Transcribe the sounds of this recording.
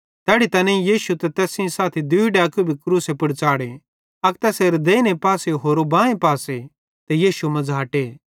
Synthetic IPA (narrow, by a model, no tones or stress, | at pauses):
t̪ɛːɽit̪ɐnẽĩjiːʃut̪ɛt̪ɛːsĩsaːt̪ʰid̪ʊiɖeɐkubʱikɾuːsepɐɽt͡saːɽe | ɐkt̪ɛːseːɾd̪eːnepaːseɦoːɾobãːẽpaːse | t̪ɛjiːʃumɐd͡zaːʈe